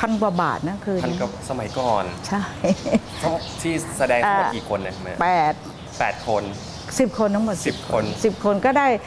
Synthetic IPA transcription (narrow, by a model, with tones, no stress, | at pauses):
pʰa˧nkwa˨˩ba̰ː˨˩t̪̚na˦˥kʰɯː˧a˧n˥ka˨˩sa˧ma˩˦jkɔː˨˩nt͡ɕʰa˥˩j | tʰa˦˥ | t̪ʰiː˥˩sa˧dɛː˧a˦˧˦kiː˨˩kʰo˧nːa˨˩ma˦pɛː˨˩t̪̚ | pɛː˨˩t̪̚kʰo˧n | si˨˩p̚kʰo˧nt̪ʰa˦˥ŋmo˨˩t̪̚si˨˩p̚kʰo˧nsi˨˩p̚kʰo˧nkɔː˥˩daː˥˩j